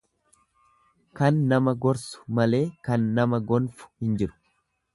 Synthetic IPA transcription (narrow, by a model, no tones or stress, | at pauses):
kɐnːɐmɐɡɔɾsʊ̥mɐle̞ːkɐnːɐmɐɡɔnfʊ̥hɪnd͡ʒɪɾʊ̥